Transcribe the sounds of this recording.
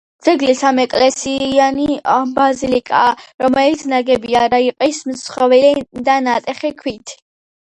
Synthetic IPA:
d̪z̥ɛɡlisamɛkʼlɛsianibazilikʼaɾɔmɛlit̪sʰnaɡɛbiaɾaiqʼismt̪sχɔvɛd̪anat̪ʼɛχɛkʰwit̪ʰi̥

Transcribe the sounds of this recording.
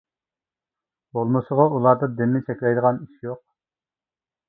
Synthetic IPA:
b̥olˠmɨsəʁɑulˠɑɾd̪ɨd̪ɪnːɪt͡ʃʰɛkʲlɛjd̪əʁɑniʃjoq̚

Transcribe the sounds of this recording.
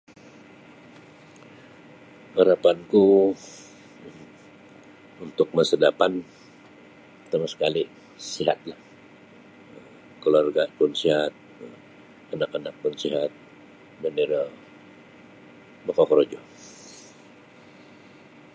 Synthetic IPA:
haɾapanku | unt̪ʊk̚məsədapan | t̪amasə̥kali | siɦa̰t̪̚lah | ə | kəluarɡapʊnsiɦat̪̚ | ənakənak̚pʊnsiɦat̪̚ | bəniɾa | bəkakəɾod͡ʒɔ

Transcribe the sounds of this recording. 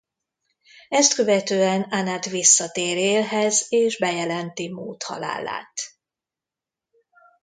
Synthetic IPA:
ɛst̪køvɛt̪øːɛnanat̪ʋisːɒt̪eːɾeːlɦɛzeːʒbɛjɛlɛnt̪imoːt̪hɒ̰la̰ːla̰ːt̪

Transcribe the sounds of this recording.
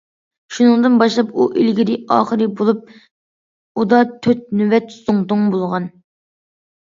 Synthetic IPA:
ʃunɨŋd̪ɨnbɑʃlˠɑpuʔilɡʲid̪ɪɑ̰ːχəɾɨbolˠup̚ | ud̪ɑt̪ʰøt̪̚nyvɛt̪suŋt̪ʊŋbolˠʁɑn

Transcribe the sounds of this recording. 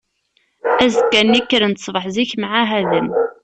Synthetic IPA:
æzkːænːikːəɾənt̪sˤvəħziçmʕaɦæðəm

